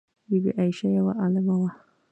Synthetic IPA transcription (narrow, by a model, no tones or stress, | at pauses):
bibḭʔajʃajawa̰ʔalamawa